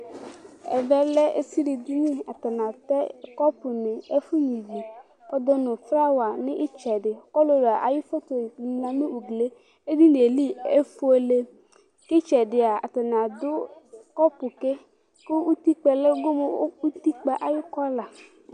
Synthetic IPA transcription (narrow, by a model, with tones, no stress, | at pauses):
ɛ̰˨vɛ˦lɛ˦ḛ˦si˦ɖi˨d̪i˦ɲĩ˦a˨t̪a˨nã˨t̪ɛ˦kɔ˦pu˨nẽ˨e˦fu˦ɲĩ˨vi˨ | pɔ˦d̪ɔ˦nɔ̃˨fɾa˦wa˨nɪ̃˦ʔi˦t͡ʃɛ˨ɖɪ˨kɔ˦lo˨la˨ʔa˨ji˦fo˦t̪o˨mlã˨mẽ˦u˨ɡle˦ | e˦d̪i˦n˨e˨li˦e˦fu˦e˦le˦ | ke˦t͡ʃɛ˨ɖɪ˨a˨a̰˨t̪a˨nã˨d̪ʊ˦kɔ˦pu˨ke˦ | ko˦u˦t̪i˦k͡pɛ˨le˦ɡo˦me˨˦u˦t̪i˦k͡pɛ˨ʔa˨ji˦kɔ˦la˨